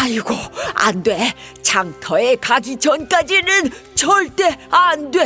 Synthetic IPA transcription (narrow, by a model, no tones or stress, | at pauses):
aiɡoa̰ndwe̞ | t͡ɕʰaŋtʰʌe̞kaɡit͡ɕʌnk͈ad͡ʑinɯnt͡ɕʌɭt͈e̞andwe̞